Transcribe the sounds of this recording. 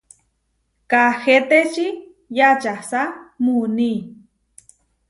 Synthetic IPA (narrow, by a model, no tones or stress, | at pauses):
kaxet̪et͡ʃi | jat͡ʃasamuni